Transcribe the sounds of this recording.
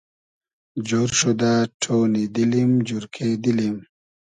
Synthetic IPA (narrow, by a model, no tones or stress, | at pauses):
d͡ʑoɾʂud̪aʈʰoːnid̪ilimd͡ʑuɾkʰed̪ilim